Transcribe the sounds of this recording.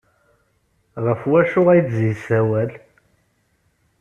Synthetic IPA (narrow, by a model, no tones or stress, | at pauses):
ʁəfwæʃʊʁæjd̪zisæwæl